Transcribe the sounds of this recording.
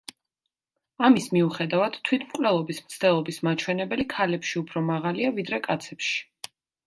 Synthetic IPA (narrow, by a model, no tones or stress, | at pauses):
amismiuχɛd̪avad̪̥t̪ʰwit̪ʰmkʼwlɛlˠɔbismt̪sʰt̪ɛlˠɔbismat͡ʃʰwɛnɛbɛlikʰalɛpʃiupʰɾɔmaʁaliavid̪ɾɛkʼat̪sʰɛpʃi̥